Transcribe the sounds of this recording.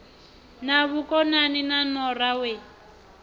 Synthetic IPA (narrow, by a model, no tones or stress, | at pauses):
naβukɔnaninanɔrawe